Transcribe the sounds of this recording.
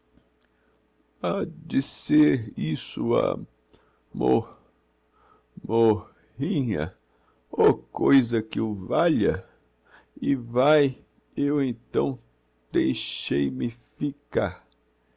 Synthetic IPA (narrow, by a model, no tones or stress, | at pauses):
ad͡ʒizeɾisʊa̰ | moɾ | mo | hĩɲɐ̰ | okojzɐkɪʊvaʎɐ | ɪvaj | ewẽnt̪ɐ̰̃w̃ | d̪̥ejʃejmɪfikaɾ